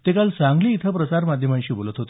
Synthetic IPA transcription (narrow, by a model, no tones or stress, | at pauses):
t̪ekalt͡sãŋɡliːt̪ʰəpɾət͡saɾmad̪ʱjəmãnɕĩːbolət̪ɦot̪